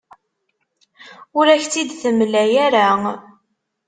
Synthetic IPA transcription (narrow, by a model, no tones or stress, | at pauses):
ʊɾæçt͡sːid̪θəmlæjæɾa